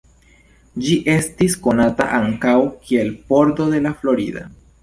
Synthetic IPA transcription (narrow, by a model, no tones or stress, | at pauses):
d͡ʒiʔe̞stisko̞nata̰ʔaŋkawkʰie̞lpo̞ɾdo̞de̞laflo̞ɾid̪a̰